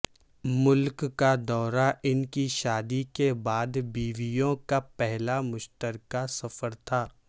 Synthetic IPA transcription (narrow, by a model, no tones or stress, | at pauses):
mʊlkkːad̪ɔːɾaʔɪnkiʃaːd̪ikebaːd̪biːʋijõkapɛɦlamʊʃt̪əɾkasɐfəɾt̪ʰaː